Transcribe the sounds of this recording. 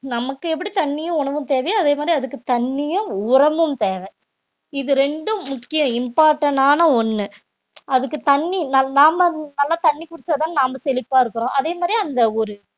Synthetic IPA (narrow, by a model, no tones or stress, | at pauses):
nɐmɐkːɯɛp̬ːɐɽit̪ɐɳːɪjʊ̃ʊɳɐʋɯmt̪eːʋɐjɐðeːmaːd̪ɾiɐðɯkːɯt̪ɐɳːɪjɯ̃ʊɾɐmɯmt̪eːʋɛ | ɪðɯɾɛɳɖɯmʊkːɪjɐ̃ɪmpaːɾʈːɐɳaːnɐɔnːɯ | ʔɐðɯkːɯt̪ɐɳːinɐnaːmɐnɐlːaːt̪ɐɳːikʊɽɪt͡ʃːɐðaːnnaːmɐsɛlɪpːaːɪɾɯkːɯɾõːʔɐðeːmaːd̪ɾiɐnd̪ɐɔɾɯ